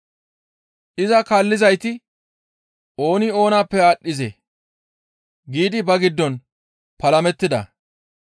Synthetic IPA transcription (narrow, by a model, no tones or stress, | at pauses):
ʔɪzɐkaːlːɪzɐjt̪ɪ | o̞ːnɪo̞ːnaːpːɛaːɗːɪzḛ | ɡiːd̪ɪbɐɡɪd̪ːɔn | pɐlɐmɛt̪ːɪd̪ɐ̰